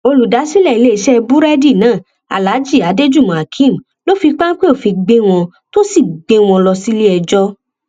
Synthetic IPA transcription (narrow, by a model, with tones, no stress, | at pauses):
o˧lu˨da˨˦si˦lɛ˦˨i˨˦le˦i˧˨ʃɛ˦˧bu˦ɾɛ˦di˦˨nãː˨˦˨ | a̰˨la˨˦d͡ʒi˦˨a˨˦de˦d͡ʒu˦˨mũ˨a˨kʰĩ˦˨m̩˨ | lo˦fi˧k͡pa˦n˦k͡pe˦o˦˨fi˧ɡ͡be˦w̃ɔ̃˧ | to˦si˦˨ɡ͡be˧˦w̃ɔ̃˧lɔ˧si˦le˦ɛ˧d͡ʒɔ˦